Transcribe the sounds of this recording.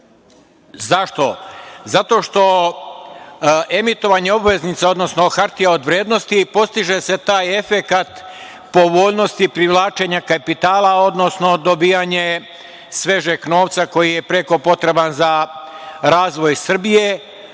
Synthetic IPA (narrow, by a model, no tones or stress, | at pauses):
zaʃt̪o̞zat̪o̞ʃt̪o̞ | ʔe̞mit̪o̞ʋaɲeo̞bʋe̞znit̪seo̞d̪no̞snoxaɾt̪ijao̞d̪ʋɾjeːd̪no̞st̪ipo̞st̪iʒese̞t̪aːje̞fe̞kat̪ | po̞ʋo̞ːʎno̞st̪ipɾiʋlˠaːt͡ʃe̞ɲakapit̪aːlao̞d̪no̞sno̞d̪o̞biːaɲe | sʋe̞ʒekno̞ːʋt̪sako̞jije̞pɾe̞ko̞po̞t̪ɾe̞banza | ɾaːzʋo̞jsr̩bije̞